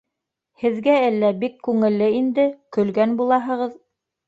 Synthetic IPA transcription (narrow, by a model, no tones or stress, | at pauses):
hɘ̆ðɡæælːæbikːʉŋɘ̆lːɘind̪ɘkɵ̆lɡænbulˠɑɦɤ̆ʁɤð